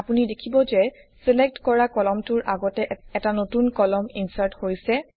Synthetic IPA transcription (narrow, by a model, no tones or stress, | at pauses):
apunidekʰibɔzɛ | selek̚tkɔɹakɔlɔmtʊɹʔaɡɔtɛɛtanotunkɔlɔminsaɹthojsɛ